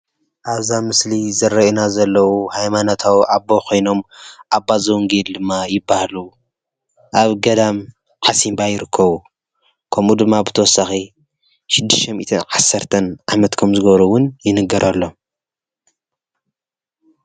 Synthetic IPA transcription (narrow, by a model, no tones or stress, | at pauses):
ʔaβzamɨslizɐɾːɐinazɐlːɐwuhajmanot̪ʰawʔabːokʰo̞jno̞mʔabːazɐwŋɡeld̪ɨmːajɪbːahlu | ʔaβɡɐd̪am | ħasimbajɪɾɨkʰːɐβu | kʰɐmud̪ɨmːabɨt̪ʰɐwɔsaxi | ʃɪd̪ːɨʃt̪ɐmḭt̪ʰɨnʕasːɐɾt̪ʰɐnʕamɐt̪kʰomzɨɡɐβɾuwʊnjɪnɨɡɐɾʔɐlːo̞